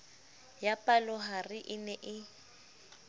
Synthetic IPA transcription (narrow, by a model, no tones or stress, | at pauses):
japʼalɔɦarɪʔɪnɛʔɪ